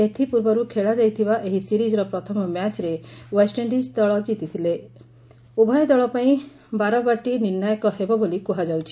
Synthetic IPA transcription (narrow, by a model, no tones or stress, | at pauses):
et̪ʰipuɾbɔɾukʰeɭad͡ʒajt̪ʰibaʔeɦisiɾid͡ʒɔɾɔpɾɔt̪ʰɔmɔmjat͡ʃɾewesʈeɳɖisd̪ɔɭɔd͡ʒit̪it̪ʰile | ubʱajɔd̪ɔɭɔpaĩ | baɾɔbaʈiniɾnajɔkɔɦebɔbolikuɦad͡ʒawt͡ʃʰi̥